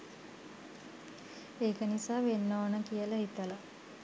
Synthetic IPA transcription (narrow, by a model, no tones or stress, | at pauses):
eːkənisaːʋenːoːənəkijələɦit̪ələ